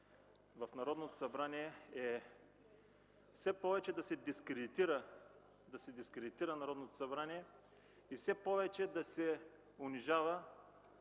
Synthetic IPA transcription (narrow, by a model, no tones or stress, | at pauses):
vɐfnɐɾɔd̪not̪osɐbɾaniɛɛ | fsɛpɔvɛt͡ʃɛd̪ɐsɛd̪iskɾɛd̪it̪iɾə | d̪ɐsɛd̪iskɾɛd̪it̪iɾənɐɾɔd̪not̪o̥sɐbɾaniɛ | ifsɛpɔvɛt͡ʃɛd̪ɐsɛ | ʊniʒavɐ